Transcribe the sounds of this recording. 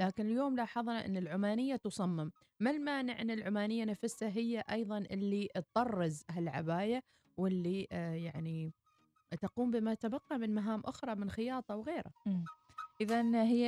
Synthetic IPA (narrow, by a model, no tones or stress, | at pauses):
laːkɪnɪljoːmlaːħɑðˤnaʔɪ̰nːɪlʕʊmaːnɪjːat̪ʊsˤɑmːɪmː | almaːnɪʕʔɪnːɪlʕʊmaːnɪjːanafɪsaɦɪjːaʔɑjðˤɑnʔɪlːit̪t̪ˤːɑrˤːɑzɦalʕa̰baːja | wɪlːijaʕni | t̪aquːmbɪmat̪abɑqːɑmɪnmaɦaːmʔʊxɾˤɑmɪnxɪjɑːt̪ˤɑwɣeːɾa̰ | ʔɪðanɦɪjː